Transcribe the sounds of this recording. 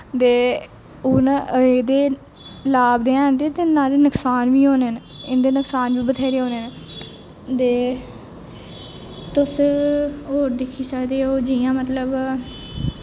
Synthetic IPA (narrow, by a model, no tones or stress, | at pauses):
t̪eː | ʊneːd̪eː | laːbd̪eːãːd̪eːt̪enaːleːnəksaːnʋiːɦoːnen | ɪnd̪eːnəksaːnʋiːbət̪ʰeːɾeːɦoːneːn | t̪eː | t̪ʊs | ɦoːɾd̪ɪkʰːiːsəkd̪eːoːd͡ʒijãːmət̪ləb